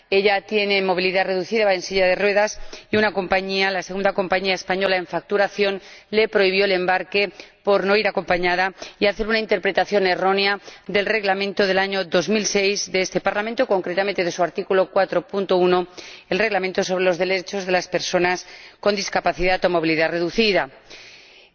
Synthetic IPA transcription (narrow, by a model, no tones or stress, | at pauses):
e̞ʎat̪je̞ne̞mo̞β̞iliðare̞ðuθiðaensiʎaðe̞rwe̞ðasiunako̞mpaɲialaseɣund̪ako̞mpaɲiaespaɲo̞lae̞ɱfak̚t̪uɾaθjo̞nle̞pɾo̞iβ̞joele̞mbaɾke̞po̞ɾno̞iɾako̞mpaɲaðaiaθe̞ɾunaint̪epɾe̞t̪aθjo̞ne̞ro̞neaðe̞lre̞ɣlamẽnt̪oð̞e̞laɲo̞ðo̞zmilse̞jzðeest̪e̞paɾlamẽnt̪oko̞ŋkɾe̞t̪ament̪e̞ðesuaɾt̪ikulo̞kwat̪ɾo̞punt̪ounoe̞lre̞ɣlament̪o̞so̞βɾe̞lo̞zðe̞le̞t͡ʃo̞zðe̞laspe̞ɾso̞nasko̞nd̪iskapaθiðat̪omo̞β̞iliðare̞ðuθiða